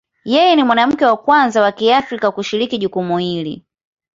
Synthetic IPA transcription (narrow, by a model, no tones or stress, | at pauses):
jɛjɛnimwanam̩kɛwakwanzawakiafɾikakuʃiɾikiʄukumuhilḭ